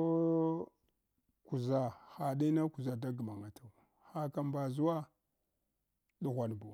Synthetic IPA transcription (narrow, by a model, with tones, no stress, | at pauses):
o˦ | ku˨za˦xa˨ɗi˦na˦ku˨za˨da˦ɡə˨ma˨ŋa˨tʰa˨ | xa˦ka˨mba˨zu˦wa˦ | ɗu˨ɣʷa˨n˨bu˨